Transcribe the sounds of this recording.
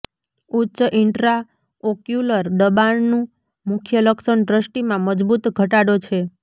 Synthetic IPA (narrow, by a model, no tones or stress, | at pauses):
utːt͡ʃəʔɪɳʈɾa | okjuləɾɖəbaɳnũ | mʊkʰjələkʃənɖɾəsʈimãməd͡ʒbut̪ɡʱəʈaɽot͡ʃʰe